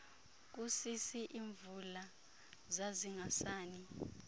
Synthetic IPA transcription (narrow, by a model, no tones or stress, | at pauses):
k̬usisiʔiːɱvula | zaziŋasaːni